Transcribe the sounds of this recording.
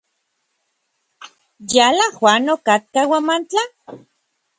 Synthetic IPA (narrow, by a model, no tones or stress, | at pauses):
jalahwanokat̪̚kawamant͡ɬa